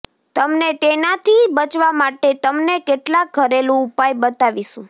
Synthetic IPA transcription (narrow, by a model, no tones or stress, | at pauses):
t̪əmnet̪enat̪ʰibət͡ʃʋamaʈet̪əmnekeʈlak̚ɡʱəɾelũupajbət̪aʋiʃũ